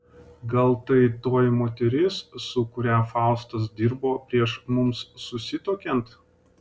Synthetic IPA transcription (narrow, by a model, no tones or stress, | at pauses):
ɡɐlˠt̪ɐɪt̪oːjmoːt̪ʲɛɾʲɪsːʊkʊɾʲæːfɑˑʊst̪ɐs̬d̪ʲɪɾboːpʲɾʲiɛʃmʊmsːʊsʲɪt̪oːkʲɛnt̪